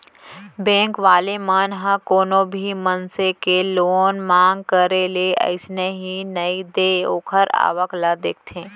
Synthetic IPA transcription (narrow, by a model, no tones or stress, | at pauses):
bẽːŋkʋaːlemaːnɦãkoːnõbʱimənsekeloːnmãːŋɡ̚kəɾeleə̰ɪsneɦinɐid̪eːoːkʰəɾa̰ːʋəklad̪eːk̚ʰt̪ʰẽː